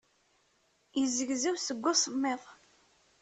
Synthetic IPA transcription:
jəzːəɡzæwsəɡʷːʊsˤmːeðˤ

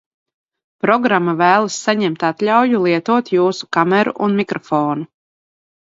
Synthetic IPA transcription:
pɾɔɡɾamːavæːlˠasːaɲɛmt̪at̪lʲawjulˠiɛt̪uɔt̪juːsu̥kamɛɾṵʔunmikɾɔfoːnu

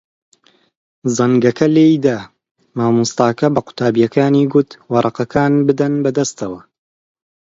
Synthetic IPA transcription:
zɐŋɡɐkɐlejd̪a | maːmust̪ɑːkɐbɐqʊ̥t̪ʰaːbijɐkaːniːɡʊt̪wɑɾˤɑqɐkʰaːnbɨd̪ɐnbɐd̪ɐst̪ɐwɐ

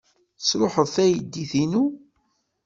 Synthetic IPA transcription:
sɾoħəðθæjəd̪ːiθinu

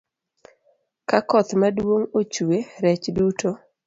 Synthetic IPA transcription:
kakɔt̪madwoŋot͡ʃueɾɛt͡ʃdutʰo

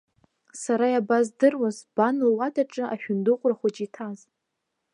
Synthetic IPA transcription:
saɾajabazdɨrwazb̥anlwadʰʼaʈ͡ʂʼɨʔaʃᶣʊndɨχʷʼraχʷat͡ʃʼitʰaz

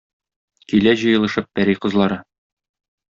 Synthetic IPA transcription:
kilæʑɤ̆jɤ̆lˠɤ̆ʃɤp̚bæɾijqɤ̆zlˠɑɾɤ

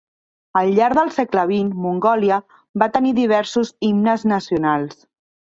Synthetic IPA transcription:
əlˠʎaɾðəlˠsɛkləβ̞inmuŋɡɔljə | bat̪əniðiβ̞ɛɾsuzimnəznəsiunalˠs

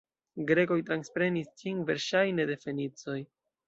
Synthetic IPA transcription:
ɡɾe̞ko̞jtɾanspɾe̞nist͡ʃiŋve̞ɾʃajne̞de̞fe̞nit͡so̞j

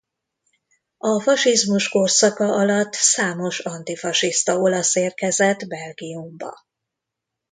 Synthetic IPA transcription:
ɒfɒʃizmuʃko̞rsɒkɒʔɒlɒt̪ːsaːmo̞ʃɒnt̪ifɒʃist̪ɒo̞lɒseːrkɛzɛd̪bɛlɡiumbɒ̰

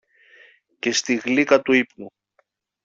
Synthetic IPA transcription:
ce̞st̪iɣlikɐt̪uipnu

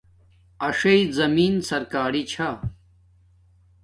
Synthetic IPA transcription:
ɐʂɐizɐmiːnsɐɾkaːɾit͡ɕʰa

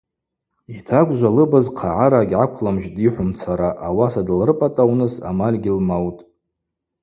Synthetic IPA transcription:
itʰakʷʼʒʷalɨbazqʰaʕaɾaɡʲʕakʷʰlamʒdiħʷʊmt͡sʰaɾaʔːwasadɨlrɨpʼatʼawnɨsa̰malʲɡʲɪlmawtʼ

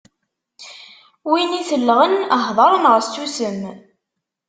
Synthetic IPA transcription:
winiθəlːʁənəɦðˤɑɾˤənʁəst̪ːusəm

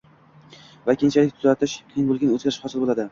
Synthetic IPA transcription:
vakʲent͡ʃʰalɪkʲt̪ʰʊzat̪ʰɪʃqʰɨjɪnbolˠɡʲanɵzɡʲaɾɪʃhɒsɪlbolˠad̪ɪ

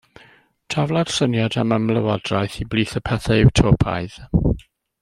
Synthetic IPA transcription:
tʰavlˠad̥sənjadaməmlˠəwɔdrajθibliːθəpʰɛθaɪwtʰoːpʰa̰ɨð

